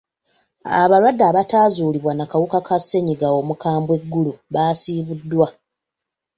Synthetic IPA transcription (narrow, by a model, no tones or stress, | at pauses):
a̰βaɾwadːaːβataːzuːliβwanakawukakasːe̞ɲiɡao̞ːmukaːmbwe̞ɡːuluβaːsiːβudːwa